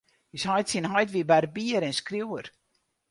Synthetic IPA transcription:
jishɔjtsinɦɔjtʋiəbɛrbiəɾɛnskriwər

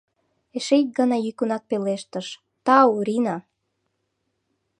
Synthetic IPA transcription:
eʃejk̪̚ɡɑnɑjykunɑk̚peleʃt̪əʃ | t̪ɑuɾinɑ

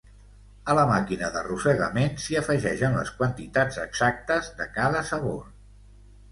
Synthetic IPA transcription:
ələmakinəðərusəɣə̰mensiəfəʒɛʃənlə̰skwənt̪it̪ad͡zəɡz̥ak̚t̪əzðəkaðəsəβo̰r

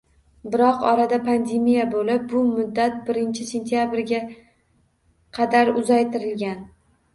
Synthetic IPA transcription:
bɪɾɒqɒɾad̪apʰand̪e̞mijabolɪp̚bʊmʊd̪ːat̪̚bɪɾɪnt͡ʃʰɪse̞nt̪ʰjabɾɡʲa | qʰɑd̪aɾʊzajt̪ʰɪɾɪlɡʲan

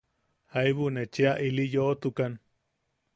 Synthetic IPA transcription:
haiβunet͡ʃeaʔilijoʔt̪ukan

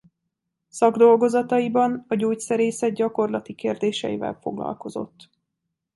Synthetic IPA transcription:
sɒɡd̪o̞lɡo̞zɒt̪ɒibɒnɒɟuːcsɛɾeːsɛd̪̚ɟɒko̞rlɒt̪ikeːrd̪eːʃɛ̰jivɛ̰lfo̞ɡlɒ̰lko̞zo̞̰t̪ː

